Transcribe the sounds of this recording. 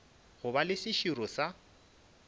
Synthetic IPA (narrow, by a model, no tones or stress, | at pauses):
ɣʊbalɪsɪʃiɾɔsa